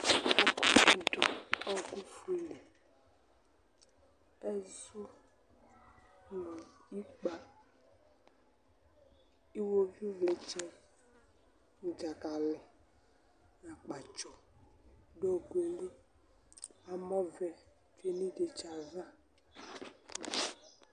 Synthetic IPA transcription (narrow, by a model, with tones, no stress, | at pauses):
ɔ˦ku˦ti˨dɔ˨ɔ˦ɡu˦fu˨˦i˨le˨ | ɛ˦zu˦ | lu˨i˦k͡pa˨ | i˦wo˦vi˦vle˨t͡ʃɛ˦ | ŋu˨d͡ʒa˨ka˨lɪ˨ | ja˨k͡pa˨t͡ʃɔ˨ | ɖo˦ɡe˨li˦ | a˨mɔ˦vɛ˨ | fe˦nĩ˦de˨t͡ʃa˨zã˦˨